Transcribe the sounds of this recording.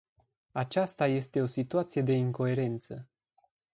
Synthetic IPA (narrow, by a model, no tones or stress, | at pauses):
at͡ʃast̪aje̞st̪e̞o̞sit̪uat̪sije̞d̪e̞iŋko̞e̞ɾe̞nt̪sə